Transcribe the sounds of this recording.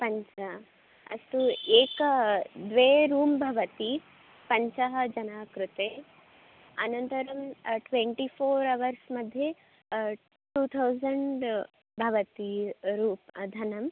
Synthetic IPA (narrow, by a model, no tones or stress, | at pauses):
pɐɲt͡ʃɐ | ɐ̰st̪ueːkɐd̪ʋeːɾuːmbʱɐʋɐt̪i | pɐɲt͡ʃɐɦɐ̆d͡ʒɐnaːkɾut̪e | ɐ̰nɐnt̪ɐɾɐmʈʋeɳʈipʰoːɾɐʋɐɾsmɐd̪ʱje | ʈuːt̪ʰɐwzɐɳɖ | bʱɐʋɐt̪iɾuːpd̪ʱɐnɐm